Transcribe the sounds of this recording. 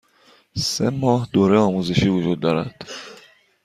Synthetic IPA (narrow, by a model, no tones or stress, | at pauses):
semɒːhd̪oːɾeɒːmuːze̞ʃiːvod͡ʒuːd̪̚ːɒːɾæd̪̥